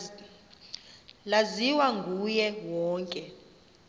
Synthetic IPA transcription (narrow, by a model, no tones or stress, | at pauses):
laziwaŋɡʱujɛwɔːŋkʼɛ